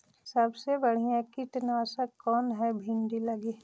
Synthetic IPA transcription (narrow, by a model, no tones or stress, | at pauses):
səbsebɐɽ̤ijãkiʈnaːsəkːɔːnɦɛbʱɪɳɖilɐɡiː